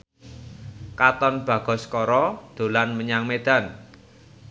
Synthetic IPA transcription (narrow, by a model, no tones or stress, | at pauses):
kat̪ɔnb̥ä̤ɡ̥ɔ̤skɔɾɔd̪̥o̤lanməɲaŋmed̪̥a̤n